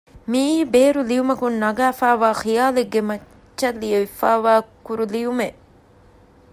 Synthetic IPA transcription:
miːbeːɾulijumɐkunːɐɡaːfaːʋaːxijaːleɡːemɐ | ʃɐlːijɐʋifaːʋaːkuɾulijume

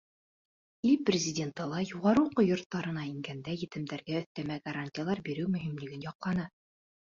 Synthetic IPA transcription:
ilprʲɪzʲɪdʲe̞nt̪ɤlˠɑjuʁɑɾɤuqɤjŏɾt̪ːɑɾɤ̆nɑiŋɡænd̪æjɘ̆t̪ɘ̆md̪æɾɡæɵ̆θt̪æmæɡɐɾanʲtʲɪjalˠɑɾbiɾɘwmɵ̆ɦimlɘ̆ɡɘnjɒqlˠɑnɤ

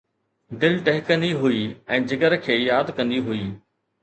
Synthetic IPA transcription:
ɖɪlʈɛɦɪkə̃nd̪iɦuiɛ̃ːd͡ʑɪkəɾkʰeːjaːd̪kɐ̃nd̪iɦuiː

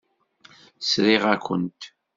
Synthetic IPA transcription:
sɾiʁækʷə̰nt̪

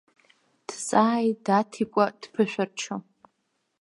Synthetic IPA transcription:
d̥t͡sʼaːjdatʰikʷʼad̥pʰɨʃᶣart͡ʃʰo

